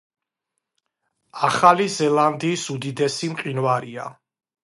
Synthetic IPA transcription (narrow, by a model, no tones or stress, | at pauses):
aχalizɛland̪iːsud̪id̪ɛsimqʼinvaɾia̰